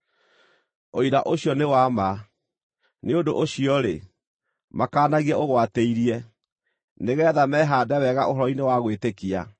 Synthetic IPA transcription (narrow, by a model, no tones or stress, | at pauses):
oiɾaʔoɕjɔnewama | neondoʔoɕiɔɾe | makaːnaɣiɛoɣwateiɾiɛ | neɣɛːðamɛɦaːdɛwɛɣaʔoɦɔɾɔinewaɣwetekia